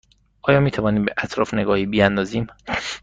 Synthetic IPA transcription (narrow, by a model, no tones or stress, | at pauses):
ʔɒːjɒːmiːt̪ʰævɒːniːmbeʔæt̪ʰɾɒ̰ːfneɡɒːhiːbiænd̪ɒːziːm